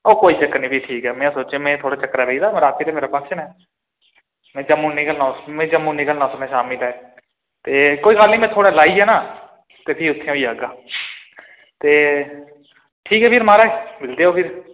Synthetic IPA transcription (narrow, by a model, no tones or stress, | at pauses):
oːkoːiːt͡ʃəkːnĩːpiːʈʰiːkɛːmɛ̃ːaːsoːt͡ʃeːmɛ̃ːt̪ʰoːɽaːt͡ʃəkːɾaːɾeiːd̪aːmːɾaːt̪iːɾaːmeːɾaːpə̃t͡ʃənɛː | mɛ̃ːd͡ʒəmũːnikəlnãːmẽːd͡ʒəmːũːniːkəlnaːsənɛːʃaːmilɛ | t̪eːkoːiːkaːlnĩːmɛ̃ːt̪ʰoːɽaːlaːiːɦɛːnaː | t̪eːpʰiːʊt̪ʰːẽːoːiaːɡaː | t̪eː | ʈʰiːkɛːpʰiːɾmaːɾaːeːmɪld̪eːoːpʰɪɾ